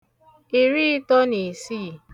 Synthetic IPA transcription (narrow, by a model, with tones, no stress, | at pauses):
i˨ɾi˦tɔ˦ni˨si˦˨